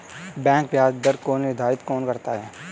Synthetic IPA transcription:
bɛ̃ːŋkbjaːsd̪əɾkoːnʋɪɾd̪ʱaːɾɪt̪kɔːnkɐɾt̪aɦɛː

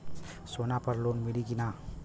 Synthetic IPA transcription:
soːnapɐɾloːnmɪlikinaː

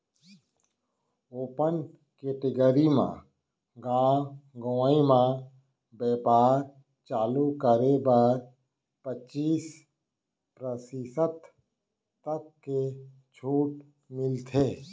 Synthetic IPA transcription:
oːpən | keːʈɪɡəɾimã̰ | ɡãːɡoːimã | bɛːpaːɾ | t͡ʃaːlukəɾebəɾ | pət͡ʃiːs | pɾəsisət̪ː | əkːe | t͡ʃʰuːʈ | mɪlt̪ʰeː

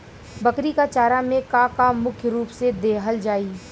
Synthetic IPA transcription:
bɐkɾikat͡ʃaːɾamẽkaːkaːmːʊkʰjəɾuːpsed̪eːɦəld͡ʒaːiː

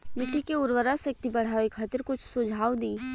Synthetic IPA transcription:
mɪʈʰːikeʊɾwəɾasɐk̚t̪ibɐɽ̤aːikxʰɐt̪əɾkʊt͡ʃʰsʊd͡ʒʱaːwd̪iː

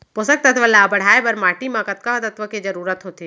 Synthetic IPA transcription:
pʊsək̚t̪ɐt̪ʰʋəlaːbɐɽ̤aːebɐɾmaːʈimãkɐt̪̚kat̪ɐt̪ʋəked͡ʒɐɾuːɾət̪ɦoːt̪i

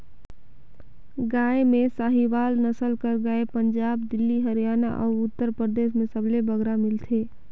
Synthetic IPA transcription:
ɡaːemẽsaːɦiʋaːlnəsəlkəɾɡaːepə̃ɲd͡ʒaːbd̪ɪlːiɦəɾijaːna̰ʔɔːɾʊt̪ːəɾpɾəɾd̪eːʃmẽsəblebəɡɾamɪlt̪ʰeː

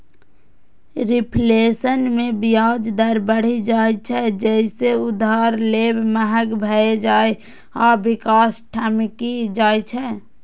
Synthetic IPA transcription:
ɾipʰlesənmẽbijad͡ʒd̪əɾbəɽ̤id͡ʒaet͡ʃʰɛd͡ʒɛɪseʊd̪ʱaɾlebməɦəkbʱəed͡ʒae | ɔːɾbikaːsʈʰamikid͡ʒaːet͡ʃʰɛ

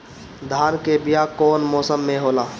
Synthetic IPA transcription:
d̪ʱaːnkebijakɔːnmɔːsəmːẽɦoːlaː

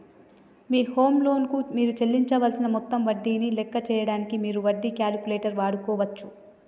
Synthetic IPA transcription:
miːho̞ːmlo̞ːnkumiːɾut͡ʃelːiɲt͡ʃɐʋɐlsinɐmɔt̪ːɐmʋɐɖːiːnilɛkːɐt͡ʃɛːjɐɽaːnikimiːɾuʋɐɖːikʲaːlkuleːʈɐɾʋaːɽukɔːʋɐt͡ʃːu

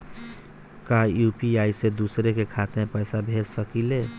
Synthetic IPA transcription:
kajuːpiaːised̪uːsɾekekʰaːt̪ẽpəjsabʱeːd͡ʒsəkileː

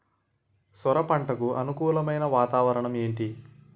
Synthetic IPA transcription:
sɔɾɐpɐɳʈɐkuʔɐnukuːlɐmɐjnɐʋaːt̪aːʋɐɾɐɳɐme̞ːɳʈi

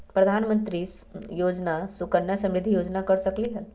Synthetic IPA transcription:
pɾɐd̪ʱanmənt̪ɾiːsjod͡ʒnasukəɳjasə̃mɾɪd̪ʱːijoːd͡ʒnakəɾsəkliɦəl

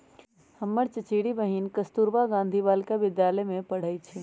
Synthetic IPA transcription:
həmːəɾt͡ʃət͡ʃiɽibəɦinkəst̪uɾbaɡãnd̪ʱibalkaʋɪd̪jaləjmẽpəɽ̤əjt͡ʃʰi

